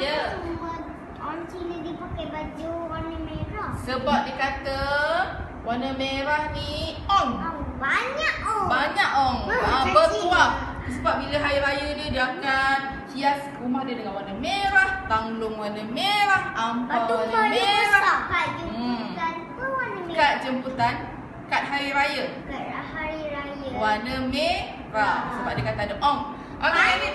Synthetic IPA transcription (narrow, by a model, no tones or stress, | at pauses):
jət͡ʃumə | ɔnt͡ʃinədipakajbad͡ʒowanəmeɾahsəbap̚dikat̪ə | wanəmeɾahniɔŋabaɲaʔɔbaɲaʔɔŋabət̪uah | səbap̚biləɦajɾajədiədiakan̚ | hias | umahdiədəŋanwanəmeɾaht̪aŋlʊŋwanəmeɾahampaaəwaneɾakatəmut̪anpəwanəmkat̪̚d͡ʒəmput̪an | kat̪̚ɦaɾiɾajəkathaɾiɾajəwanəme | rahsəbap̚dəkat̪andəʔɔŋ | ʔaaani